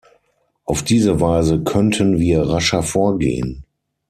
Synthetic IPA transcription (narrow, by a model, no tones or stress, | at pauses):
ʔaʊfd̥iːzəvaɪzəkʰœntʰənviːɐʁaʃɐfoːɐɡḛːə̰n